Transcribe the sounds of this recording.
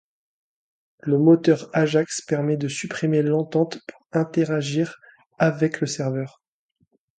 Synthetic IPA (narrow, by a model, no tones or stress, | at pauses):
ləmot̪œʁaʒakspɛʁmɛd̪əsypχimelɑ̃t̪ɑ̃t̪pu̥ʁɛ̃t̪eʁaʒiʁ | avɛkləsɛʁvœːʁ